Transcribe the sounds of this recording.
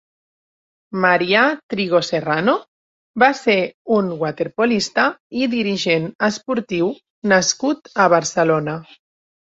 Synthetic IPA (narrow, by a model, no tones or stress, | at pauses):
maɾiat̪ɾiɣoserano | baseunɡwat̪eɾpolist̪aiðiɾiʒenəspuɾt̪iw | naskut̪aβaɾsəlona